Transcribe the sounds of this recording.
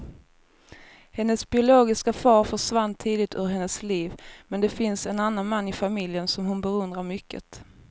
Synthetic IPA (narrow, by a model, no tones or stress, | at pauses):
hɛnːəsbɪʊloːɡɪskafɑːɾfœʂvanːt̪ʰiːd̪ɪt̪ɵɾɦɛnːəsliːvmɛnd̪ɛfɪnsɛnanːanmanːɪfamɪljənsɔmhʊnbɛɾɵnd̪ɾaɾmʏkːə̰t̪